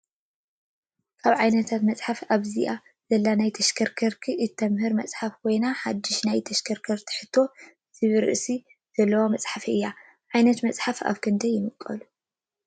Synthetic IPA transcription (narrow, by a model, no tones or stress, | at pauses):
kʰaβʕajnɐt̪ʰat̪mɐt͡sʼħafaβziʔa | z̥ɐlːanajt̪ʰɐʃkʰɐɾkʰɐɾkʰiʔɨt̪ʰːɐmhɨɾmɐt͡sʼħafkʰojnaħad̪ːɪʃnajt̪ʰɐʃkʰɐɾkʰɐɾt̪ʰɨ̥ħɨt̪ʰːo̞ | z̥ɨβɨɾɨ̰ʔsi | z̥ɐlːɐwomɐt͡sʼħafiɨjːa | ʕajnɐt̪mɐt͡sʼħafa̰βkʰɨnd̪ɐjːɪmɨkʼːɐ̰lu